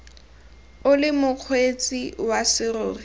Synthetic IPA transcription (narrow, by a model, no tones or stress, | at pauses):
ʊlɪmʊq͡χʰwet͡sʼiwasɪroːri